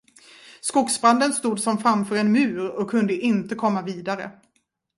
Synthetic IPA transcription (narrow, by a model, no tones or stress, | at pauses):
skʊksbɾand̪ənst̪uːd̪sɔmfɾamfœːɾɛnmʉ̟ːɾɔkʰːɵnd̪əʔɪnt̪əkʰɔmːaviːd̪aɾə̰